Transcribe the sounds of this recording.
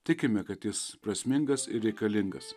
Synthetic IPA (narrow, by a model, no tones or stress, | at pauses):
t̪ʲɪkʲɪmʲɛkɐt̪jɪspɾɐsʲmʲɪŋɡɐsɪɾʲɾʲɛɪkɐlʲɪŋɡɐs